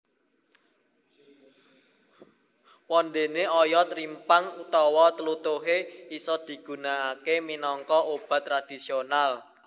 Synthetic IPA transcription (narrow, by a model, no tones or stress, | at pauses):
wɔnd̪eneɔjɔt̪ɾimpaŋut̪ɔwɔt̪əlut̪uɦeisɔd̪̥i̤ɡ̥ṳnaakeminɔŋkɔʔob̥ä̤t̪ːɾad̪̥i̤sional